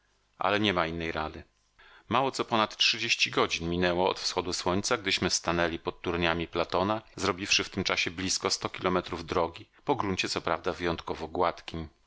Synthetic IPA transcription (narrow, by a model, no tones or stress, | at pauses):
ʔa̰lɛɲɛmainːɛjɾad̪ɘ | mawɔt̪sɔpɔnat̪tʂɘd͡ʑeɕt͡ɕiɡɔd͡ʑinmʲinɛwɔɔ̰t̪fsxɔd̪uswɔɲʲt̪saɡ̚d̪ɘɕmɘst̪anɛlʲipɔt̪ːuɾɲamʲiplat̪ɔnazɾɔbʲifʂɘft̪ɘmt͡ʂaɕɛblʲiskɔst̪ɔkʲilʔɔmɛt̪ɾuvd̪ɾɔɡʲipɔɡɾuɲt͡ɕɛt̪sɔpɾa̰vd̪avɘjɔnt̪kɔvɔɡwat̪kʲim